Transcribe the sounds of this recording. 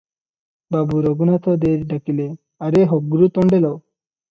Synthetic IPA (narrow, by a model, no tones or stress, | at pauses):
babuɾɔɡunat̪ʰɔd̪eɾɖakile | aɾeɦɔɡuɾut̪ɔɳɖelɔw